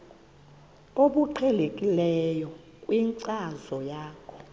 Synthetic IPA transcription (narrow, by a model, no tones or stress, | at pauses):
oɓuǃʰɛlekʼilɛjɔ | kʼwiŋǀazɔjaːkʰɔ̥